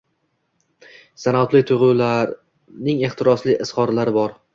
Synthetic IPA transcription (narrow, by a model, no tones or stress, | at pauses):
sanat̪lɪt̪ʰʊʁulaɾ | nɪŋe̞χt̪ʰɪɾɒslɪʔɪshɒɾlaɾɪbɒɾ